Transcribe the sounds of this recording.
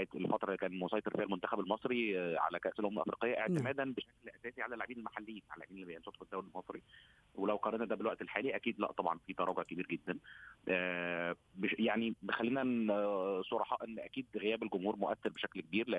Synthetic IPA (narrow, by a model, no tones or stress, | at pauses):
jet̪elfɑt̪ɾˤɑkæːnmosˤɑjt̪eɾˤfiːhælmont̪æxæbelmɑsˤɾiʕa̰lækæʔselʔomlʔɑfɾḭːqejːæʔeʕt̪emæːd̪ænbeʃæklʔæsæːsiʕalælʕebiːnelmaħalːejiːnalʕebiːnelːibejensot̪ˤfed̪ːæwlelmɑsˤɾi | welæwqɑɾɑnæd̪æbelwæʔt̪elħaːliʔækiːd̪læ̰ʔt̪ˤɑbʕɑnfit̪ɑɾˤɑːɡoʕkebiːɾɡed̪ːænʔæ | bejaʕnibexælːiːnæ | sˤoɾˤɑħɑːʔenːʔækiːd̪ɣejæːbelɡomhuːɾmoʔæθːeɾbeʃæklkebiːɾleʔ